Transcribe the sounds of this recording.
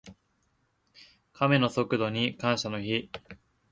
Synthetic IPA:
kame̞no̞so̞kɯ̟d̪o̞ɲ̟ikãɰ̃ɕano̞çi

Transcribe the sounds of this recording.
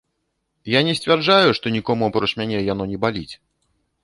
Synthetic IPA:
janʲɛsʲt͡sʲvʲɛrd͡ʐajuʂt̪ɔnʲikɔmuapɾɔt͡ʂmʲanʲɛjan̪ɔnʲɛbalʲit͡sʲ

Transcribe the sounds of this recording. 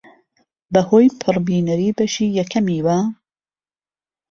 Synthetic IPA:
bɐhoːjpʰɨrbiːnɐɾiːbɐʃiːjɐkʰɐmiːwɐ

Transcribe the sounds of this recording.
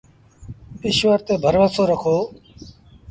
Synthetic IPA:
ɪʃʋəɾt̪eːbʱəɾʋəsoːɾəkʰoː

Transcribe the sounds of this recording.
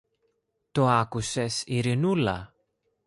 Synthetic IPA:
t̪oakusesiɾinulɐ̰

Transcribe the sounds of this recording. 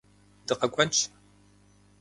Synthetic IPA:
dɨqɐkʷʼɐnt͡ʃʰ

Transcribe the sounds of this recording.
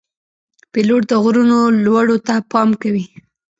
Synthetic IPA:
peloʈ̚d̪əɣɾunolwaɽot̪apɑmkawi

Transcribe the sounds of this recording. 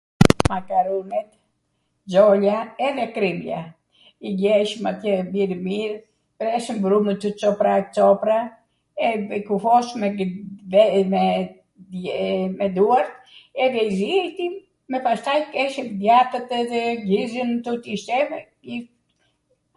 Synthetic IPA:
makaɾumɛt̪ | d͡ʒɔlaɛðɛkɾimja̰ | iɡɛʃmat̪jɛmiɾmiɾ | pɛɾɛʃəmbɾumət̪ːət͡sɔpɾat͡sɔpɾa | ɛɛkufɔʃmɛ | mɛ | ɛmɛd̪uaɾt̪ | ɛðɛiziɛjt̪i | mɛpast̪ajkɛʃəmd̪jat̪ət̪ðɛɡizənt̪ut̪iʃt̪ɛv | i

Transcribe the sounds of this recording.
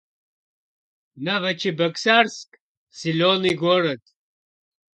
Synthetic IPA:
nɐvɐt͡ɕʰibɐksaɾsk | siloniɡoɽɐt̪

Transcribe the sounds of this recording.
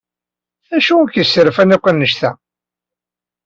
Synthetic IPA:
æʃukəsːəɾfænɪqʷːənːəʃθæ

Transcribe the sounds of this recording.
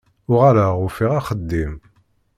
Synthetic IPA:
ʊʁaɾaʊfiʁaχəd̪ːim

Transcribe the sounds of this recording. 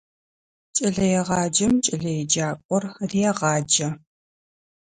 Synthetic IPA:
t͡ʃʼɐɮɐjɛʁɑːd͡ʒɐmt͡ʃʼɐɮɐjɛd͡ʒaːkʷʼɔrrijɛʁɑːd͡ʒɐ

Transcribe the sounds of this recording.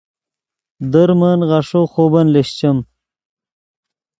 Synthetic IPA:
d̪əɾməːnʁɑʂoxoːbɐnleɕt͡ɕɐm

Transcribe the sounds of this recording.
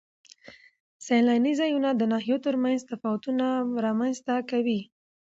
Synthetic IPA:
salɑnizɑjunad̪ənɑɦijot̪əɾmanzt̪afɑwat̪unaɾɑmanzt̪akawi

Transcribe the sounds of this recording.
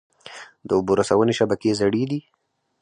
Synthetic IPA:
d̪əʊboɾasawəneʃabakezaɽid̪i

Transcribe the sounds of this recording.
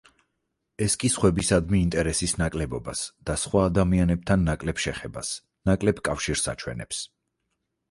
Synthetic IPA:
ɛskʼisχwɛbisad̪miːnt̪ʼɛɾɛsisnakʼlɛbɔba̰sd̪̥asχwaːd̪amianɛb̚t̪ʰanːakʼlɛbʃɛχɛba̰s | nakʼlɛbkʼafʃiɾsa̰t͡ʃʰwɛ̰nɛ̰ps

